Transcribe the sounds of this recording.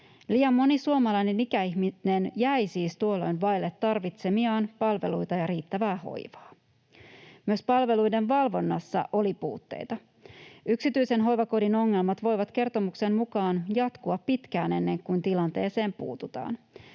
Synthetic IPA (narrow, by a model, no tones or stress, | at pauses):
liːjɑmːo̞nisuomɑlɑjne̞nikæiçminenjæjsiːst̪uo̞lo̞̰jnʋɑjlːet̪ːɑrʋit̪se̞miɑːnpɑlʋe̞̰lujt̪ɑjɑɾiːt̪ːæʋæːho̞̰jʋɑ̥ː | myøspɑlʋe̞lujde̞nʋɑlʋo̞nːɑsːɑ̰ʔo̞lipuːt̪ːḛjt̪ɑ | yksit̪yise̞nɦo̞jʋɑko̞dino̞ŋːe̞lmɑt̪ʋo̞jʋɑt̪k̟e̞rt̪o̞muksemmukɑːnjɑt̪kuɑpːit̪kæːne̞nːe̞ŋkunt̪ilɑnt̪e̞ːse̞ːmpṵːt̪ut̪ɑ̰ːn